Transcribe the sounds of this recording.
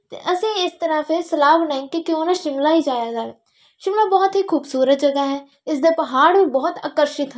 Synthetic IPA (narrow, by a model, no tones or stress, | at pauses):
t̪ḛʔəsĩːɪst̪əɾaːpesəlaːbənaːĩkikɪoːnãʃɪmlaːɦid͡ʒaːjaːɡaːɛ | ʃɪmlaːbɔːt̪ɦikʰuːbsuːɾət̪̚d͡ʒəɡaɦɛː | ɪsd̪epɐɦaːɽbibɔɦʊt̪a̰ːkəɾʃɪt̪ɦɛ